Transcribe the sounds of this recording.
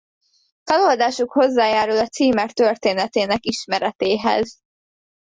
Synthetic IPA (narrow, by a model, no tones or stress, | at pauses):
fɒlo̞ld̪aːʃukho̞zːaːjaːɾulɒt̪siːmɛkt̪ø̞rt̪eːnɛt̪eːnɛkiʃmɛɾɛt̪eːɦɛ̰z